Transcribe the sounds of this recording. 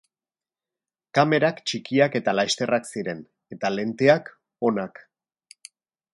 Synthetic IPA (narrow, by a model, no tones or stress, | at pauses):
kame̞ɾakt͡ʃikiake̞t̪alaʃt̪e̞raksiɾe̞n | e̞t̪ale̞nt̪eak | o̞nak